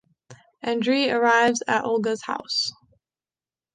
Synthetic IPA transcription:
ʔɛ̃ndɹiə˞aɪvzɨ̰ɾʔɔ̰lˠɡəz̥ha̰ʊs

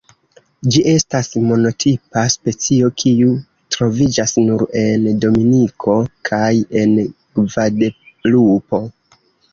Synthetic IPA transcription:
d͡ʒiʔe̞stasmo̞no̞tʰipaspe̞t͡sio̞kʰiu | tɾo̞vid͡ʒasnuɾe̞ndo̞minikʰo̞kʰaje̞n | ɡvadelupo̞

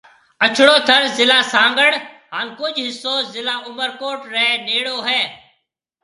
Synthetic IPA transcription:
ət͡ʃʰɽoːt̪ʰəɾzɪlaːsãːŋɡəɽɦaːnkʊd͡ʒʱɦɪsoːzɪlaːʔʊməɾkoːʈɾəɦɛneːɽoːɦɛː

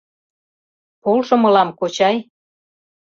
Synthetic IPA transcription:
polʃɤ̆mɤ̆lɑmkot͡ɕɑj

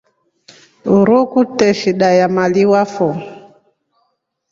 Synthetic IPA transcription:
uɾukutɛʃiɗajamaliwafɔ

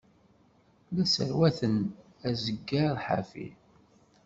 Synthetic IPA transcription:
læsə̰ɾwæθən | æzəɡːaɾðħa̰fḭ

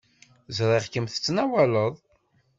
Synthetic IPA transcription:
zɾˤiʁkəmθə̥t͡sːnæwæləðˤ

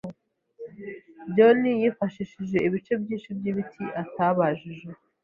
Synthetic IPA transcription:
ɟonijifaʃiʃiʒe̞iβit͡ʃe̞bɟiːnʃibjiβitʰiʔataβaʒiʒe̞

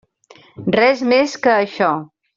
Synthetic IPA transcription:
rɛzmeskəːʃɔ

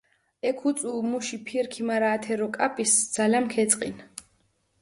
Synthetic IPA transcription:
ɛkʰut̪sʼuːmuʃipʰiɾkʰimaɾaːt̪ʰɛɾɔkʼapʼisd̪z̥alamkʰɛt̪sʼqʼḭn

